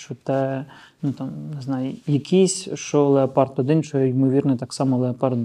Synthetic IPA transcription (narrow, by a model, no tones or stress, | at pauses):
t͡ʃɔt̪ɛ | nut̪ɑmnɪznɑjʊjɐkʰisʲʃt͡ʃɔlˠeɐpɑrt̪ɔd̪ɪnt͡ʃɔjɛjimɔʋʲirnɛt̪ɑksɑmɔlˠeɐpɑrt̪